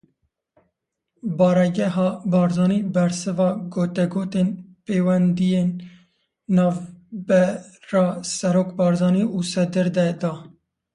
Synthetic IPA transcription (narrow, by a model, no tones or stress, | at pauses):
bɑːɾɛɡɛɦɑːbɑːɾzɑːniːbɛɾsɨvɑːɡoːt̪ɛɡoːt̪enpeːwɛnd̪ijeːnː | ɑːvbɛ | ɾɑːsɛɾoːkbɑːɾzɑːniːʔuːsɛd̪ɨɾd̪ɛd̪ɑː